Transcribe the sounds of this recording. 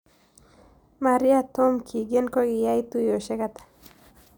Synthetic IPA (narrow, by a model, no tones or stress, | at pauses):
maɾiat̪omkʰiɡenkoɡijajt̪ujoʃekat̪ḁ